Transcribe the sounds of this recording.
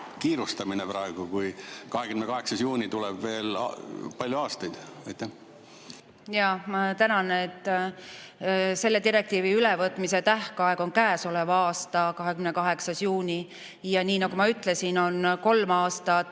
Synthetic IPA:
kiːɾust̪ɑminepɾɑeɡ̥ukujkɑɦekymnekɑɦe̞ksɑsjuːnʲit̪ulɛb̥ve̞ːl̰pɑlʲjuɑːst̪ɑjd̪̥ɑjt̪ˑːæh | jɑmɑt̪ænɑnet̪ː | se̞lːe̞t̪iɾek̚t̪iːviylɛvɤt̪ːˑmise̞t̪æhkɑe̞ɡ̥o̞nkæːso̞levɑɑːst̪ɑkɑɦe̞kymnekɑɦe̞ksɑsjuːnʲi | jɑniːnɑɡ̥umɑyt̪ːˑle̞sino̞nko̞lmɑːst̪ɑ

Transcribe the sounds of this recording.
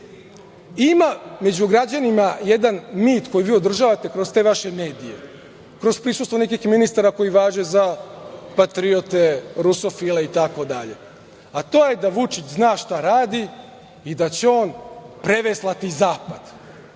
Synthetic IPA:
imame̞d͡ʑuɡɾad͡ʑanimaje̞d̪anmiːt̪ko̞jiʋiːo̞d̪r̩ʒaːʋat̪ekɾo̞st̪e̞ːʋaʃe̞me̞ːd̪ije̞̰ | kɾo̞spɾisust̪ʋo̞nek̬ixminist̪aɾako̞jiʋaːʒezapat̪ɾiot̪e̞ɾuso̞fileit̪ako̞d̪a̰ʎe̞̰ | at̪o̞ːjed̪aʋut͡ʃit͡ɕznaːʃt̪aɾaːd̪i | id̪at͡ɕeo̞ːnpɾe̞ʋeslˠat̪izaːpad̪̥

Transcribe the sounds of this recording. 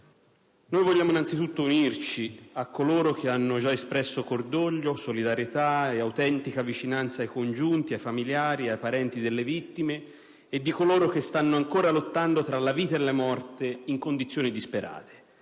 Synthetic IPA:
nojvolʎːaːmoinant̪sit̪ut̪ːounirt͡ʃiakːoloːɾok̟ʰeanːod͡ʒaespɾɛsːokord̪oʎːosolid̪aɾjet̪aeawt̪ɛnt̪ikavit͡ʃinant̪saːjkond͡ʒunt̪iajfamiljaːɾiajpaɾɛnt̪id̪elːevit̪ːimeː | d̪ːikoloːɾok̟est̪anːoaŋkoːɾalot̪ːand̪ot̪ɾalaviːt̪aelːamɔrt̪eiŋkond̪it̪sːjoːnid̪ispeɾa̰ːt̪ʰe̥

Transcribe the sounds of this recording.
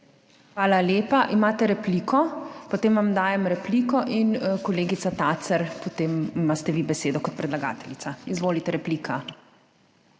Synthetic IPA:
xʋaːlaljeːpaʔimaːt̪ɛɾɛplikʰɔpot̪eːmʋamd̪aːjɛmɾɛpliːkɔʔinkɔleːɡit̪sat̪asɛɾpɔt̪emimast̪ɛʋibɛseːd̪ɔkɔt̪̚pɾɛd̪laɡa̰ːt̪ɛlit̪saizʋoːlit̪ɛɾɛpliːkʰa

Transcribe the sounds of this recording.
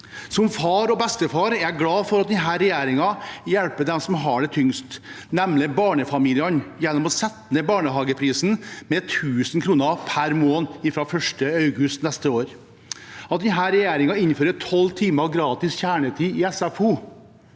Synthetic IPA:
sɔmfɑːɾɔbɛst̪əfɑːɾæɡlɑːfɔɾɑt̪̚d̪ɛnɦæːɾɛjeːɾɪŋɑjælpəd̪ɛmsɔmɦɑɖɛt̪ʰʏŋst̪nɛmnəbɑːɳəfɑmiːlɪənjɛnːɔmɔsɛt̪nəbɑːɳəɦɑːɡəpʰɾiːsn̩mɛt̪ʰʉːsnkʰɾuːnəpʰæɾmoːnɪfɾɑfœʂʈəɑʉɡʉst̪nɛst̪əoːɾ | ɑt̪̚d̪ɛnɦæːɾɛjeːɾɪŋɑɪnføːɾət̪ʰɔlːt̪ʰiːməɡɾɑːt̪ɪsçæːɳət̪ʰiːɪɛsæfuː

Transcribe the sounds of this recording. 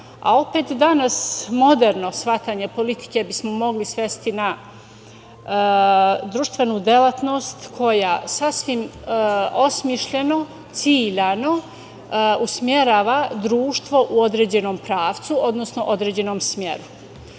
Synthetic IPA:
a̰o̞pe̞ːt̪d̪anasmo̞d̪eɾno̞sʋat̪aːɲe̞po̞lit̪i̥ke̞bismomo̞ɡlisʋe̞st̪ina | d̪ɾuʃt̪ʋe̞nuːd̪e̞lat̪no̞st̪kʰo̞jasasʋim | osmiʃʎe̞no̞ | t̪siːʎano̞ | usmje̞ɾaːʋad̪ɾuːʃt̪ʋo̞ʔuo̞d̪ɾed͡ʑe̞no̞ːmpɾaːʋt̪suʔo̞d̪nosno̞ʔo̞d̪ɾeːd͡ʑe̞no̞ːmsmje̞̰ɾu

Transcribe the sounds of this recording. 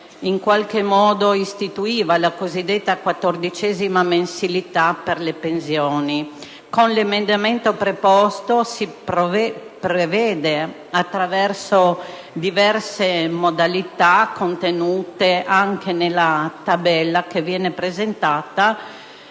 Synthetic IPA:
iŋkwalkemɔːd̪oist̪it̪uiːvalakozid̪ːet̪ːakwat̪ːord̪it͡ʃɛzimamensilit̪aperlepensjɔːni | konlemend̪ament̪opɾepɔst̪osippɾevɛːd̪e | at̪ːɾavɛrso | d̪ivɛrsemod̪alit̪akʰont̪enuːt̪eʔaŋkʰenelːat̪abɛlːakevjɛːnepɾezent̪aːt̪a

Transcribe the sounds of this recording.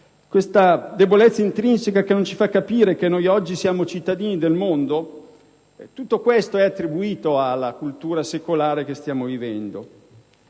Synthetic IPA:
kwest̪ad̪ebolɛt̪sːaint̪ɾinsekakenont͡ʃifakːapiːɾekenːojɔd͡ʒːisjaːmot͡ʃit̪ːad̪iːnid̪elmond̪o | ɛt̪ut̪ːokwest̪oɛat̪ːɾibuiːt̪oalːakult̪uːɾasekolaːɾekest̪jaːmovivɛnd̪o

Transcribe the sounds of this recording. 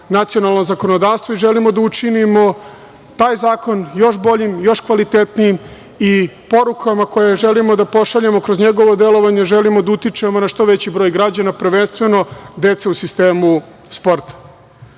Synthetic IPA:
nat̪sio̞nalˠnozako̞nod̪aːʋst̪voiʒelimo̞d̪aut͡ʂinimo̞ | t̪aːjzaːko̞njo̞ʃbo̞ʎimjo̞ʃkʋalit̪et̪nijim | ipo̞ɾukʰamako̞jeʒelimo̞d̪apo̞ʃaʎemo̞kɾo̞zɲeɡo̞ʋod̪elo̞ʋaɲe̞ʒelimod̪aut̪it͡ʂemonaʃt̪o̞ʋet͡ɕibɾo̞ːjɡɾad͡ʑanapr̩ʋeːnst̪ʋe̞no̞d̪e̞t̪seusist̪eːmu | spo̞ɾt̪ḁ

